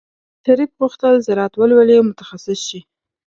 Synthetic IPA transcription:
t̪aɾik̚ɣuxt̪əlzaɾɑt̪wəlwəlemʊt̪ḁxasɪsʃi

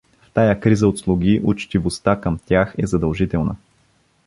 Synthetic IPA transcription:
ft̪ajakɾizəot̪slˠuɡʲiʔʊt͡ʃt̪ivost̪akəmt̪ʲjaxɛzɐd̪ɐlˠʒit̪ɛlˠnə̰

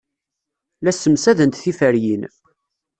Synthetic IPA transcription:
læsːəmsæðənt̪θifəɾjin

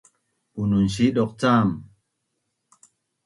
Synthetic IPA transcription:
ununʃiɗɔk̚t͡saːm

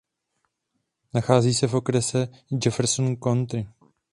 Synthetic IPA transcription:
naxaːziːsɛfo̞kɾɛsɛ | d͡ʒɛfɛɾsonko̞nt̪ɾɪ

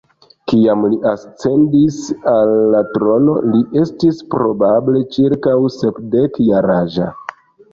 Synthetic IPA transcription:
kiamliʔast͡se̞ndisalːatɾo̞no̞̰liʔe̞stispɾo̞bable̞t͡ʃiɾkawsepdekjaɾaʒa̰

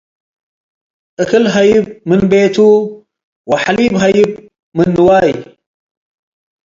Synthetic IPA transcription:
ʔɨkɨlɦɐjɪb̚mɨnbeːt̪ʰu | wɐħaliːbɦɐjɪb | mɨnːɨwaːj

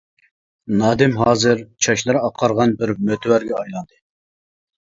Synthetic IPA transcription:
nɑːd̪ɪmɦɑːzɨɾt͡ʃʰɑʃlˠɨɾɨɑqʰːɑɾʁɑnbɪɾmøt̪ʰwæɾɡʲɛɑjlˠɑnd̪ɨ

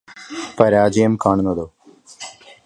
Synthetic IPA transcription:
pɐɾaːd͡ʒiemkaːɳnɐd̪oː

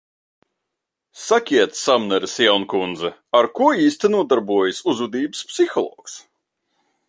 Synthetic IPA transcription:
sakʲiɛt̪ssamnɛɾsjawnkund̪zɛaɾkuɔiːst̪inuɔd̪aɾbuɔjɨsuzud̪iːbɨspsixɔlˠɔ̰ːks

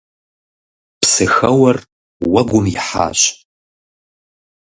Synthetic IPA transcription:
psɨxɐwɐr | wɐɡʷʊmjɪħa̰ːɕ

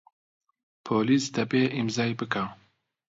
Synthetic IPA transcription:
pʰoːliːsd̪ɛbeːʔimzɑːjbɨka

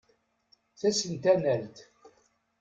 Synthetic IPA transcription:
θæsənt̪ænælt̪

